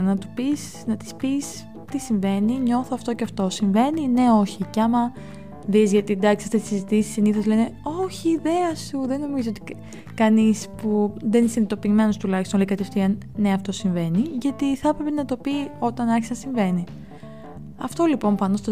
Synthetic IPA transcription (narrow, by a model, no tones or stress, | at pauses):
nɐt̪upis | nɐt̪i̥spis | t̪isiɱve̞niɲo̞θoɐft̪o̞ceɐft̪o̞siɱve̞nine̞o̞çiceɐmɐ | ðizʝɐt̪ied̪ɐksiɐft̪esisizit̪isi̥siniθozle̞ne̞oçiːðe̞ɐsuðe̞no̞mizoot̪i̥ | kɐnispuðe̞nisinit̪o̞piːme̞no̞st̪ulɐçist̪onleikɐt̪efθiɐnne̞ɐft̪o̞siɱve̞niʝɐt̪iθpɾe̞penɐt̪o̞pio̞t̪ɐnɐçisɐnsiɱve̞ni | ɐft̪o̞lipo̞mpɐnost̪o